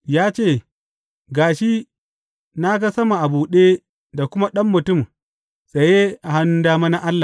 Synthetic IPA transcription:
jaː˦t͡ʃeː˦˨ | ɡaː˨ʃi˦ | na˦ɡa˦sɐ˦ma˨ʔa˨buː˨ɗeː˦ | da˨kʷʊ˦ma˦ɗɐ˦mːʊ˨tʊ˦˨m | sʼɐ˨jeː˦ʔa˨ha˦nːʊ˦daː˦ma˦na˦ʔa˦lːa˨

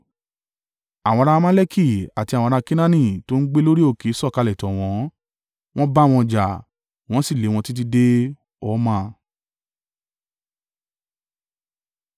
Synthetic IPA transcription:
a˨wɔ̃˧ɾa˧mã˦lɛ˦ki˦˨a˨ti˧a˨w̃ɔ̃˧ɾa˧kĩ˦nã˦nĩ˦˨to˦n̩˦ɡ͡be˦lo˦ɾi˦o˦˨ke˨˦sɔ˦˨ka˧lɛ˨tɔ˨w̃ɔ̃˨˦ | w̃ɔ̃˦ba˦˨w̃ɔ̃˧d͡ʒa˨ | w̃ɔ̃˨˦si˦˨le˨˦w̃ɔ̃˧ti˦t̬i˦de˦ | ɔ˦mã˦˨

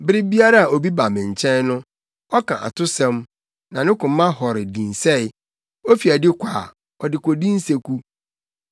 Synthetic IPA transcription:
bɪ˦ɾɪ˦bi˦a˦ɾa˦a˨o˨bi˦ba˨mɪ̃˨ɲ̩˨t͡ɕʰɛ̃˦nnʊ̃˦ | ɔ˦kʰã̰˨ʔa̰˨tʊ˦sɛ̃˦m | nã˨nɪ̃˦kʊ̃˨m˦mːã˦hɔ˨ɾɪ˨dĩ˨n˨sɛ˦˨ɪ˦ | o˦fi˨æ˨dɪ˦kʷʰa˨ | ɔ˨dɪ˨kʷo˨dĩ˦n̩˦se˦kʰu˦

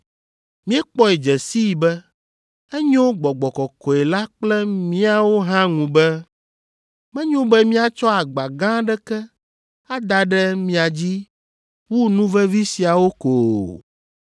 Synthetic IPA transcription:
mĩ˦ɛ˦k͡pɔ˦e˨d͡ʒɛ˨si˦i˨bɛ˦ | ɛ˦ɲõ˦ɡ͡bɔ˨ɡ͡bɔ˨kɔ˨kɔ˨ɛ˨la˦k͡plɛ˦mĩ˦a˦˨wo˦ɦã˦ŋũ˨bɛ˦ | mɛ̃˦ɲõ˦bɛ˦mĩ˦a˨t͡ʃɔ˦a˨ɡ͡ba˨ɡã˦ɖɛ˦kɛ˦ | a˦d̪a˨ɖɛ˦mĩ˦a˨d͡ʑi˦ | wu˦nũ˦vɛ˦vi˦si˨a˨wo˦ko˨

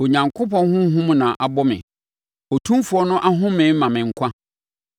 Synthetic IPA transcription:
o˨ɲã˨ŋkʰʊ˦pɔ̃˦n˦hʊ̃˦ɦũ˦m˦nã˨ʔa˨bɔ˦mɪ̰̃˨ | ɔ˨tʰũ˦mfu˨˦ɔ˦nʊ̃˦ʔa˦ɦʊ̃˦mɪ̃˨˦m˦mã˨mɪ̃˨ŋ̩˨kʷʰã˦

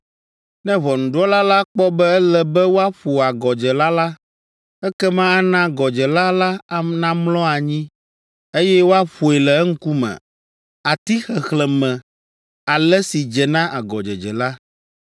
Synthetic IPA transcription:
nɛ̃˦βɔ˨nũ˨ɖɔ˦la˦la˦k͡pɔ˦bɛ˦ɛ˦lɛ˦bɛ˦wo˦a˦ɸu˨a˨ɡɔ˨d͡ʒɛ˨la˦la˦ | ɛ˦kɛ˦mã˦a˦nã˦ɡɔ˨d͡ʒɛ˨la˦la˦a˨nã˦mlɔ̃˦a˨ɲĩ˦ | e˦jɛ˦wo˦a˦ɸo˨e˨lɛ˨ɛ˦ŋ̩˦ku˦mɛ̰̃˨ | a˨t̪i˦xɛ˨xlɛ˨mɛ̃˨ | a˨lɛ˦si˨d͡ʒɛ˨nã˦ʔa˨ɡɔ˨d͡ʒɛ̰˨d͡ʒɛ˨la˦

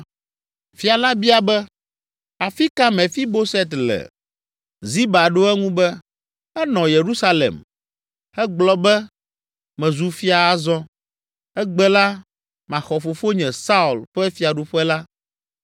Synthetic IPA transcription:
fi˨a˨la˦bi˦a˨bɛ˦ | a˨fi˦ka˦mɛ̃˨fi˦bo˦sɛ˦t̪lɛ̰˨ | zi˦ba˨ɖo˦ɛ˦ŋũ˦bɛ˦ | ɛ˦nɔ̃˨je˨ɾu˦sa˦lḛ˨m | ɛ˦ɡ͡blɔ˦bɛ˦ | mɛ̃˨zu˨fi˦a˨a˦zɔ̃˦ | ɛ˦ɡ͡bɛ˦la˦ | mã˨xɔ˨fo˨fo˦ɲɛ̃˨sa˦u˨lɸɛ˦fi˨a˨ɖu˨ɸɛ˦la˦

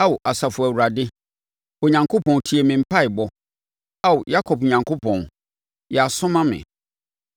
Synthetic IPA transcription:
a˦wʔa˨sa˨fʊ˨æ˨wu˨ɾa˨dɪ˦ | ɔ˨ɲã˨ŋkʰo˦pʰɔ̃˨n˨tʰi˨e˨mɪ̃˨m̩˦pʰa˦ɪ˨bɔ˨ | a˦˨wja˦kʰɔ˨p̚ɲã˨ŋkʰo˦pʰɔ̃˨n˨ | jɛ˨a˨sʊ̃˦mã˦mɪ̰̃˨

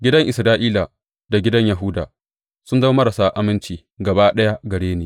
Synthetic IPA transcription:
ɡʲɪ˦dɐ˦ŋʔɪ˨sɾaː˦ʔiː˦la˨ | da˨ɡʲɪ˦dɐ˦ɲja˨ɦʊ˦da̰ː˨ | sʊ˦nzɐ˦mɐ˦ɾɐ˨saː˦ʔa˦mɪ˦nt͡ʃiː˨ | ɡɐ˨baː˦ɗɐ˦ja˦ɡɐ˨ɽeː˦neː˦

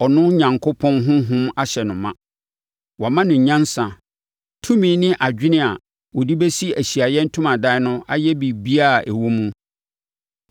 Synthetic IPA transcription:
ɔ˨nʊ̃˦ɲã˨ŋkʰo˦pʰɔ̃˦nɦʊ̃˦ɦʊ̃˦ma˦ɕɛ˨nʊ̃˨mã̰˦ | wa˨mã˦nʊ̃˨ɲã˦nsã˨ | tʰũ˦mĩ˦nɪ̃˦ʔa˨d͡ʑᶣɪ˦nɪ̃˦a˨ | wɔ˨di˦bɛ˦si˦æ˨ɕi˨a˨jɛ˦n̩˦tʰʊ̃˦mã˨da˦nʊ̃˦a˦jɛ˦bi˨bi˦a˦˨ʔɛ˨wo˦mũ˦

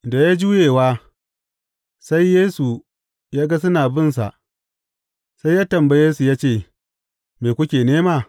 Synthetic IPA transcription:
da˨ja˦d͡ʒuː˦jeː˨waː˦ | sa˦jːeː˦su˨ | jaː˦ɡa˦sʊ˦naː˨bɪ˦ns̬a̰˨ʔ | sa˦jaː˦tɐ˨mbɐ˦jeː˦su˨jaː˦t͡ʃeː˦˨ | meː˨kʷʊ˦kʲeː˨neː˦maː˦˨

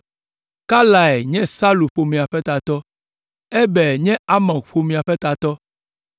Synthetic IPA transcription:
ka˦la˨ɛ˨ɲɛ̃˦sa˦lu˨ɸo˨mĩ˨a˨ɸɛ˦t̪a˨t̪ɔ˦ | ɛ˦bɛ˨ɲɛ̃˦a˦mã˨ɸo˨mĩ˨a˨ɸɛ˦t̪a˨t̪ɔ˦

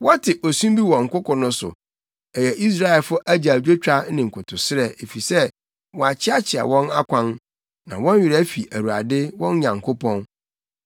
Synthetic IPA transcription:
wɔ˦tʰɪ˨ʔo˨sũ˦mbi˦wɔ̃˨ŋ̩˨kʊ˦kʰɔ̃˨nʊ̃˦sʊ̰˨ | ɛ˨jɛ˨ʔi˦s̬ɾa˦ɛ˨lfʊ˦ʔæ˦d͡ʑa˨d͡ʑᶣe˦t͡ɕᶣa˦nɪ̃˨ŋ̩˨kʰʊ˨tʰʊ˨sɪ˦ɾɛ˨e˨fi˨sɛ˦ | wɔ˨a˨t͡ɕʰɪ˦a˦t͡ɕʰɪ˨a̰˨wɔ̃˦na˦kʷʰã˦n | nã̰˨wɔ̃˦nɥɪ˨ɾæ˦fi˨ʔæ˨wu˨a̰˨dɪ˦wɔ̃˦n˦ɲã˨ŋkʰo˦pʰɔ̃˦n

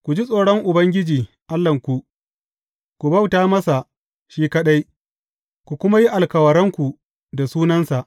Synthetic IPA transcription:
kʷu˨d͡ʒi˦sʼoː˨ɽɔ˦ŋʔʊ˨bɐ˦ŋɡʲɪ˦d͡ʒiː˨ | ʔa˦lːɐ˨ŋkʷu˨ʔ | kʷu˨bɐ˦wtaː˦mɐ˦sa˨ | ʃiː˦kɐ˦ɗa˦j | kʷu˨kʷʊ˦ma˦ji˦ʔa˨lkɐ˨wɐ˨ɾɐ˦ŋkʷu˨ | da˨suː˦nɐ˦nsa˨ʔ

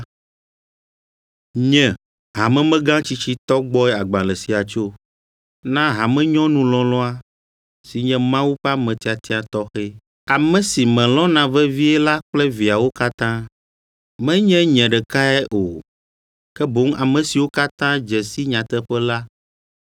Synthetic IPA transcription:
ɲɛ̃˨ | ɦa˨mɛ̃˦mɛ̃˦ɡã˦t͡ɕi˦t͡ɕi˦t̪ɔ˦ɡ͡bɔ˦ɛ˦a˨ɡ͡bã˨lɛ˨si˨a˨t͡ʃo˦ | nã˦ɦa˨mɛ̃˦ɲɔ̃˦nũ˨lɔ̃˨lɔ̃˦a˦ | si˨ɲɛ̃˦mã˦wu˦ɸa˦mɛ̃˨t̪i˦a˨t̪i˦a˨t̪ɔ˦xɛ˦ | a˨mɛ̃˨si˨mɛ̃˨lɔ̃˦nã˨vɛ˦vi˦ɛ˦la˦k͡plɛ˦vi˨a˨wo˦ka˦t̪ã˦ | mɛ̃˦ɲɛ̃˦ɲɛ̃˨ɖɛ˨ka˦ɛ˦ʔo˨ | kɛ˦bo˦ŋ˦a˨mɛ̃˨si˨wo˦ka˦t̪ã˦d͡ʒɛ˨si˦ɲã˨t̪ɛ˦ɸɛ˦la˦

